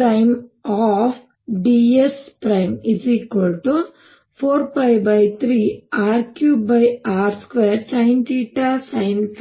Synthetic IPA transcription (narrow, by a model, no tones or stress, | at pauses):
ɾɐjmaːf | ɖiespɾɐjmizikolʈu | pʰoːɾpɐjʋbɐjt̪ʰɾiːaːɾkjuːbɐjaːɾskʋeːɾsɐjnt̪iːʈasɐjns